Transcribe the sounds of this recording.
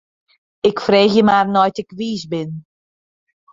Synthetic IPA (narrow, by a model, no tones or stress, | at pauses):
ɪkfreːxjəmaːrnɔjtɪkʋiːsbɪn